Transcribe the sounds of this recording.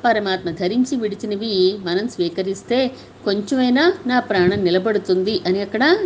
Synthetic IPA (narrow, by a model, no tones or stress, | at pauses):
pɐɾɐmaːt̪mɐd̪ʱɐɾiɲt͡ʃiʋiɽit͡ʃinɐʋimɐnɐmsʋiːkɐɾist̪e̞ː | ko̞ɲt͡ʃemɐjnanaːpɾaːɳɐmnːilɐbɐɽut̪und̪iʔɐniɐkːɐɽɐ